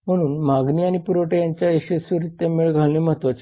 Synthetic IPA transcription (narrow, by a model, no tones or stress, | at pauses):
m̤əɽ̃uːnmaɡniːaɽ̃ipuɾoʈejaɲt͡ɕjaeɕəsuɾit̪ːemiɭɡʱaɭneməɦt̪ot͡ɕ